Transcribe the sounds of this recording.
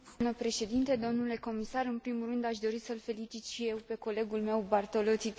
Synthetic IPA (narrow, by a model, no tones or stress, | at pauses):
nəpɾe̞ʃe̞d̪int̪e̞d̪o̞mnule̞ko̞misaɾɨnpɾimurɨnd̪aʃd̪o̞ɾisəlfe̞lit͡ʃit̪ʃije̞wpe̞ko̞le̞ɡulme̞wbart̪o̞lo̞t̪sit̪